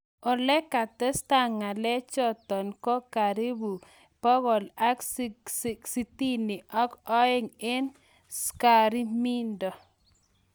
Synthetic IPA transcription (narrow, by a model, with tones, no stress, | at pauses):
ɔ˨lɛ˦ka˨t̪ɛ˦st̪a˦ŋa˨lɛ˦t͡ʃɔ˦t̪ɔ˨nkɔ˦ka˨ɾi˦bu˨ | pɔ˦ɣɔ˨la˦kssksi˦t̪i˦ni˨ʔɔ˦kɔ˦ɪ˦ŋe˦n | ska˨ɾi˦mi˦ndɔ˨